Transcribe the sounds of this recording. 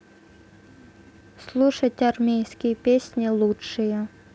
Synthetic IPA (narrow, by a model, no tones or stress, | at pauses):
slˠuʂətʲɐrmʲejskʲɪjəpʲesʲnʲɪlˠutʂɨjə